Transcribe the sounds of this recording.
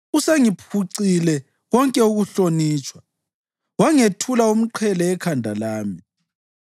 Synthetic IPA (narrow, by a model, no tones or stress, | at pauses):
useŋipʰuǀilɛ | wɔŋkʼɛuɣuɬoniːt͡ʃʼwa | waŋetʰulaum̩ǃʰɛlɛːkʰandʱalaːmi